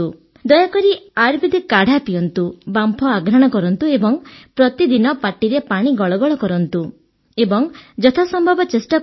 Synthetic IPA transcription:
u | d̪ɔjakɔɾiaɾbid̪ʱikaɽ̤ʱapijɔnt̪ubampʰɔaɡʱɾaɽ̃ɔkɔɾɔnt̪uebɔŋpɾɔt̪id̪inɔpaʈiɾepaɽ̃iɡɔɭɔɡɔɭɔkɔɾɔnt̪u | ebɔŋd͡ʒɔt̪ʰasɔmbʱɔbɔt͡ʃesʈɔ

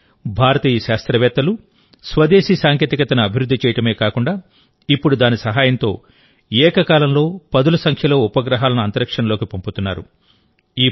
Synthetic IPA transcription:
bʱaːɾɐt̪iːjɐʃaːst̪ɾɐʋɛːt̪ːɐlu | sʋɐd̪eːʃiːsaːŋkeːt̪ikɐt̪ɐnuɐbʱiɾud̪ʱːit͡ʃɛːjɐʈɐme̞ːkaːkuɳɖaː | ipːuɽud̪aːnisɐɦaːjɐnt̪o̞̰ː | ɛːkɐkaːlɐmlo̞ːpɐd̪ulɐsɐŋkʰjɐlo̞ːupɐɡɾɐɦaːlɐnuɐnt̪ɐɾɐkʂɐnɐloːkipɐmput̪unːa̰ːɾṵ | iː

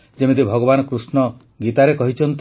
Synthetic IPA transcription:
d͡ʒemid̪ibʱɔɡɔbanɔkɾusnɔ | ɡit̪aɾekɔɦit͡ʃʰɔnt̪

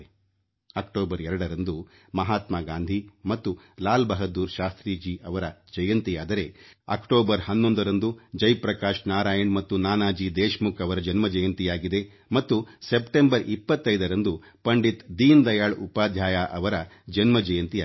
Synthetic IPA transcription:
ɐkʈoːbɐɾɛɾɐɽɐɾɐnd̪u | mɐɦaːt̪maːɡaːnd̪ʱimɐt̪ːu | laːlbɐɦɐd̪ːuːɾʃaːst̪ɾiːd͡ʒiʔɐʋɐɾɐd͡ʒɐjɐnt̪ijaːd̪ɐɾe̞ɐ̰kʈoːbɐɾhɐnːond̪ɐɾɐnd̪ud͡ʒɐjpɾɐkaːʃnaːɾaːjɐɳmɐt̪ːunaːnaːd͡ʒid̪eːʃmukɐʋɐɾɐd͡ʒɐnmɐd͡ʒɐjɐnt̪ijaːɡid̪e̞ | mɐt̪ːusepʈembɐɾʔipːɐt̪ːɐjd̪ɐɾɐnd̪u | pɐɳɖit̪d̪iːnd̪ɐjaːɭupaːd̪ʱjaːjaʔɐʋɐɾɐd͡ʒɐnmɐd͡ʒɐjɐnt̪ia

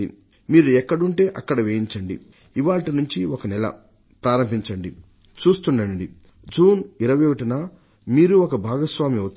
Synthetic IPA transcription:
ḭ | miːɾuɛkːɐɽuɳʈe̞ːʔɐkːɐɽɐʋeːjiɲt͡ʃɐɳɖḭ | iʋaːʈinuɲt͡ʃiɔkɐnɛlɐ̰ | pɾaːɾɐmbʱiɲt͡ʃɐɳɖi | t͡ʃuːst̪uɳɖɐɳɖi | d͡ʒuːniɾɐʋekɐʈinaː | miːɾuɔkɐbʱaːɡɐsʋaːmiɐt̪

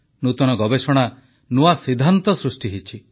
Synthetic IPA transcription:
nut̪ɔnɔɡɔbesɔɽ̃a | nuasid̪ʱːant̪ɔsɾusʈiɦit͡ʃʰi

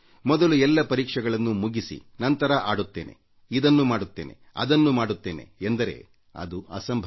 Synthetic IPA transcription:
mɔd̪ɐluɛlːɐpɐɾiːkʂɛɡɐɭɐnːumuɡisḭnɐnt̪ɐɾɐʔaːɽut̪ːe̞ːne̞̰ | id̪ɐnːumaːɽut̪ːe̞̰ːnʔe̞̰ɐ̰d̪ɐnːumaːɽut̪ːe̞ːne̞̰end̪ɐɾe̞̰ː | ɐ̰d̪uɐ̰sɐmbʱ

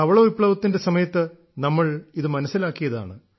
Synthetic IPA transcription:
ɐʋɐɭoːipːɭɐʋɐt̪ːinde̞sɐmɐjɐt̪ːɨ | nɐmːɐɭiðɨmɐnɐsːilaːkːijɐða̰ːɳɨ

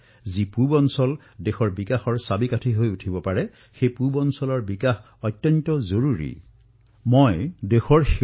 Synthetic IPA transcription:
zipubɔnsɔl | dexɔɹbikaxɔɹsabikatʰiɦojutʰibɔpaɹɛ | xejpubɔnsɔlɔɹbikax | ɔjtjɔntɔzoɹuɹḭ | mojdexɔɹx

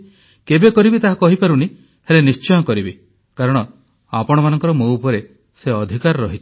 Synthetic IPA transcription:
kebekɔɾibit̪aɦakɔɦipaɾuni | helenist͡ʃɔjɔkɔɾibe | kaɾɔɽ̃ɔ | a̰pɔɽ̃ɔmanɔŋkɔɾɔmoupɔɾe | seɔd̪ʱikaɾɾɔɦit͡ʃʰ

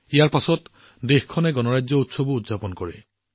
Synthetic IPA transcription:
ijaɹpasɔt | dexkʰɔnɛɡɔnɔɹajzɔutsɔbuutzapɔnkɔɹɛ

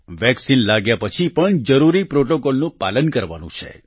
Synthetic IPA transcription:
ʋɛksinlaɡjapət͡ʃʰipəɳd͡ʒəɾuɾipɾoʈokolnũpalənkəɾʋanṵ̃t͡ʃʰḛ

